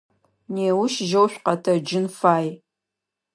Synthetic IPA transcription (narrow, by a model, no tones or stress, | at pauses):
neːwʊʃʒowɕᶣʷqɐtʰɐd͡ʒɪnfaːj